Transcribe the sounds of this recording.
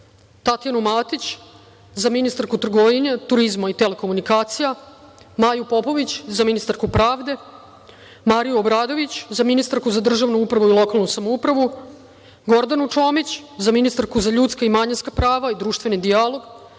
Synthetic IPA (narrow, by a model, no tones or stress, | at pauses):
t̪at̪janumaːt̪it͡ɕ | zaminist̪aɾkut̪r̩ɡoʋiɲet̪uɾizmait̪ele̞komunikaːt̪sija | maːjupo̞po̞ʋit͡ɕzaminist̪aɾkupɾaːʋd̪e̞ | maːɾijuobɾaːd̪o̞ʋit͡ɕzaminist̪aɾkuzad̪r̩ʒaʋnuupɾaʋuilˠo̞kalˠnusamoupɾaʋu | ɡo̞ɾd̪anut͡ʃo̞ːmit͡ɕzaminist̪aɾkuzaʎut̪skaimaɲinskapɾaːʋaid̪ɾuːʃt̪ʋe̞nid̪ialˠo̞ɡ